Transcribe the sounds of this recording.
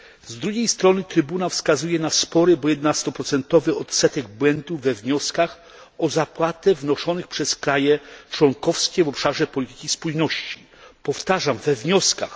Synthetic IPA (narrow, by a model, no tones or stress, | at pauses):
zd̪ɾuɡʲejst̪ɾɔnɘt̪ɾɘbunawfskazujɛnaspɔɾɘbɔjɛd̪nast̪ɔpɾɔt̪sɛnt̪ɔvɘɔt̪sɛt̪ɛɡ̚bwɛnd̪uvːɛvɲɔskax | ɔzapwat̪ɛvnɔʂɔnɘxpʂɛskɾajɛt͡ʂwɔŋkɔfskʲɛvɔpʂaʐɛpɔlʲit̪ɘ̥kʲispujnɔɕt͡ɕi̥ | pɔft̪aʐamvɛvɲɔskax